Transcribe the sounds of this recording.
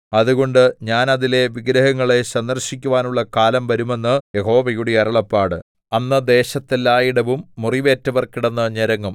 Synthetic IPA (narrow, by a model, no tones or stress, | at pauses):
ɐðuɣo̞ɳɖɨɲaːnɐðile̞ʋiɡɾɐɦɐŋːɐɭe̞ɕɐnd̪ɐrɕikʲːuʋaːnuɭːɐkaːlɐmʋɐɾume̞nːɨjeɦo̞ːʋɐjuɽiɐɾɐɭɐpːaːɽɨ | ɐnːɐd̪e̞ːɕɐt̪ːilaːjiɽɐʋumːuriʋe̞ːtːɐʋɐrkiɽenːɐɲɐɾɐŋːum